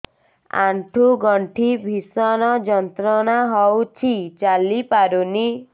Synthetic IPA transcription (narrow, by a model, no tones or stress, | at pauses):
a̰ɳʈʰuɡɔɳʈʰibʱisɔnɔd͡ʒɔnt̪ɾɔnaɦɔwt͡ʃʰit͡ʃalipaɾuni